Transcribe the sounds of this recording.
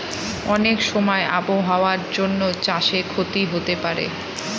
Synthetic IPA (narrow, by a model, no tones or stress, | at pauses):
ɔnekʃɔmɔeʔapoɦaoaɾd͡ʑonːot͡ɕaʃekʰot̪iɦot̪epaɾḛ